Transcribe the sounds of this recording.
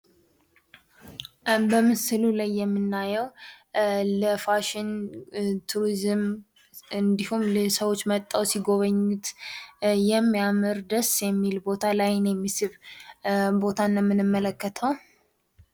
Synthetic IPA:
bəmɨsɨlulajːɛmːɨnːajɛw | ləfaʃɪn | t̪ʰuɾizɨm | ɨnd̪ihumlsəwo̞t͡ʃːmət̪ʼːəwsiɡo̞βəɲːut̪ | jɛmːijamɨɾd̪əsjɛmːilbot̪ʰalajnjɛmːisɨβ | bo̞t̪ʰanːəmːɨnɨmːələkːət̪ʰəw

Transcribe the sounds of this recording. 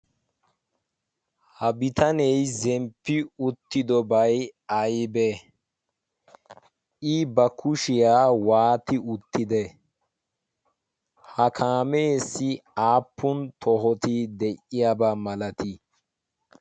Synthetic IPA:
hɐbɪt̪ɐnɛjzɛmpːɪʊt̪ːɪd̪ɔbɐjɐjbɛ | ɪbɐkʰʊʃɪjaːwaːt̪ɪʊt̪ːɪd̪ɛ | hɐkʰaːmeːsːɪaːpːʊnt̪ʰɔɦɔt̪ɪd̪ɛʔɪjabɐmɐlɐt̪ɪ

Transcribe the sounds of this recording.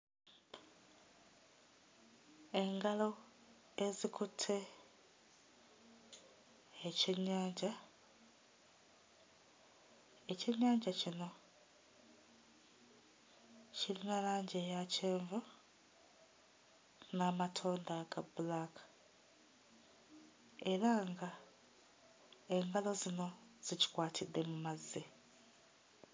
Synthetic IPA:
e̞ŋɡalo | ezikʰutʰe̞ | eceɲːaːɲɟa | eceɲaːɲɟacino̞ | cilinaɾaːɲɟejace̞ːɱvu | naːmatʰo̞ːndaɡabulakʰḁ | e̞ɾaŋɡa | e̞ŋɡalo̞zino̞z̥ici̥kwaːtʰid̪ːe̞mumazi

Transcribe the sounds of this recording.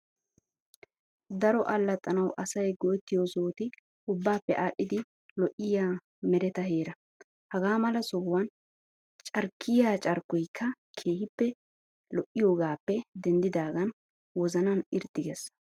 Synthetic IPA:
d̪ɐɾɔʔɐlːɐt̪ʼːɐnɐwʔɐsɐjɡɔjt̪ːɪjosoːt̪ɪ | ʊbːaːpːɛʔaːɗːɪd̪ɪ | lɔʔːɪjaː | mɛɾɛt̪ɐɦeːɾɐ | hɐɡaːmɐlɐsɔhwɐn | t͡ʃʼɐɾkʰːɪjaːt͡ʃʼɐɾkːɔjkʰːɐ | kʰeːhɪpːɛ | lɔʔːɪjo̞ːɡaːpːɛd̪ɛnd̪ɪd̪aːɡɐn | wɔzɐnɐnɪɾt̪ːɪɡɛs

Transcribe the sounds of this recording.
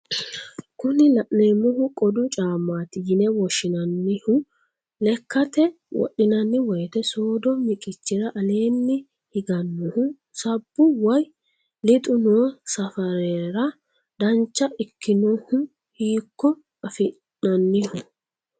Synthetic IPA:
kʊnɪlɐʔneːmːɔhʊkʼɔd̪ʊt͡ʃʼaːmːaːt̪ɪjɪnɛwɔʃːɪnɐnːɪhʊ | lɛkːɐt̪ɛ | wɔ̰ɗːɪnɐnːɪwɔjt̪ɛsoːd̪ɔmɪkʼɪt͡ʃːɪɾɐʔɐle̞ːnːɪ | hɪɡɐnːɔhʊ | sɐbːʊwɐj | lɪt̪ʼʊnoːsɐfɐɾeːɾɐ | d̪ɐnt͡ʃːɐʔɪkʰːɪnɔhʊ | hiːkːɔ | ɐfɪ | ɐnːɪhʊ

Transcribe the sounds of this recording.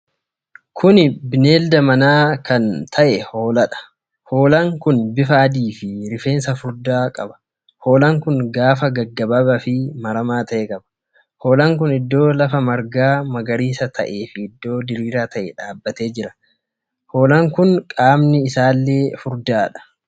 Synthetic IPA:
kʰʊnɪbɪne̞ːld̪ɐmɐnaːkɐnt̪ʰɐʔɛho̞ːlɐᶑɐ̥ | ho̞ːlɐŋkʊnbɪfɐːd̪iːfɪɾɪfe̞ːnsɐfʊɾd̪aːkʼɐbɐ̥ | ho̞ːlɐŋkʊnɡaːfɐɡɐɡːɐbɐbɐfɪmɐɾɐmaːt̪ɐʔɛkʼɐbɐ̥ | ho̞ːlɐŋkʊnɪd̪ːo̞ːlɐfɐmɐɾɡaːmɐɡɐɾiːsɐt̪ʰɐ̰ʔeːfɪɪd̪ːo̞ːd̪ɪɾiːɾaːt̪ɐʔɛᶑaːbːɐt̪e̞ːd͡ʒɪɾɐ̥ | ho̞ːlɐŋkʊnkʼaːmnɪɪsaːlːe̞ːfʊɾd̪aːᶑɐ̥

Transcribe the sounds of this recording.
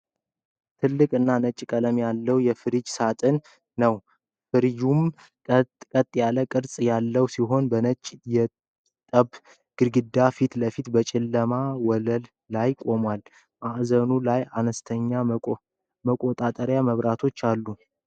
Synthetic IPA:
t̪ʰɨlːɨkʼɨnːanət͡ʃʼːkʼələmjalːəwjɛfɨɾɨd͡ʒsat̪ʼɨnː | əw | fɨɾjum | kʼət̪ʼːjaləkʼɨɾsʼjalːəwsiɦo̞nbənət͡ʃʼːjɛ | t̪ʼəb | ɡ̥ɨɾɡɨd̪afit̪ləfit̪bət͡ʃʼɪlːəmawɔləlːajkʼo̞mwal | maʔzənulajanəst̪ʰəɲːa | məkʼo̞t̪ʼat̪ʼəɾjaməβɾat̪ʰo̞t͡ʃːalːu

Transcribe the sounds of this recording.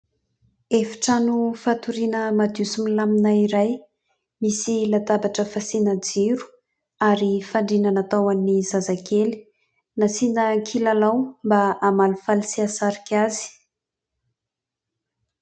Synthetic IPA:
efi̥ʈ͡ʂanufat̪uɾinəmad̪usumilaminaiɾaj | misilat̪abaʈ͡ʂəfasinəd͡ziɾu̥ | aɾifaɳɖ͡ʐinanat̪awanːizazakeli̥ | nasinəkʰilalawmbaamalufalisiasaɾikʰʲazi̥

